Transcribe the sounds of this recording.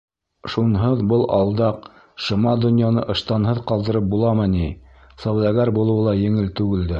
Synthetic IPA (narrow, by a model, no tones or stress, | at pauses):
ʃunɦɤðbɤlˠʔɑlˠd̪ɑq | ʃɤ̆mɑd̪ŏnjɑnɤ̰ʔɤ̆ʃt̪ɑnɦɤðqɑlˠd̪ɤ̆ɾɤp̚bulˠɑmɤni | sɑwd̪ɑɡæɾbulˠɤ̆wɤlˠɑjɘ̆ŋɘlt̪ʉɡɘ̆ld̪ɘ